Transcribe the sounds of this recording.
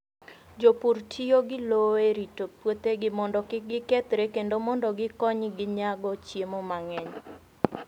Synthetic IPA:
d͡ʒopuɾtʰioɡɪloeɾitopwot̪eɡɪmɔndɔkɪɡɪket̪ɾekendomɔndɔɡɪkɔɲɡɪɲaɡɔt͡ʃjemomaŋɛɲ

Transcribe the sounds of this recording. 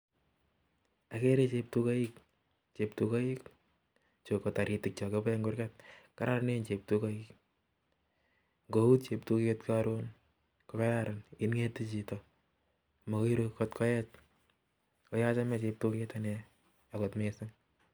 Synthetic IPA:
akeɾet͡ʃep̚tukaik | t͡ʃep̚tukɔik | t͡ʃokɔtaɾitɪk̚t͡ʃɔkepɛŋɡʊɾkɛt̚kaɾaɾnent͡ʃep̚tukaik | ŋɡoutt͡ʃep̚tuketkaɾon | kɔkaɾaɾaninŋetit͡ʃitɔ | mɔkiɾokɔtkʰɔjɛt͡ʃ | kɔjat͡ʃamɛt͡ʃep̚tuketane | akɔtmesɪŋ

